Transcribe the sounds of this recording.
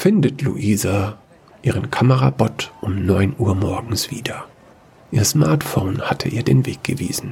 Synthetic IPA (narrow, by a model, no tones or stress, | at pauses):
fɪndətʰlṵʔiːza | ʔiːʁ̞ənkʰaməʁabɔtʔʊmnɔʏnʔuːɐmɔɐɡŋ̩sv̥iːdɐ | ʔiːɐsmaɐtfoʊnhatʰəʔiːɐdeːnveːk̚ɡ̥əvḭːzn̩